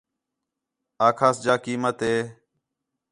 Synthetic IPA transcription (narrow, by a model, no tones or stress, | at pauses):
aːkʰaːsd͡ʒaːkiːmət̪ɦeː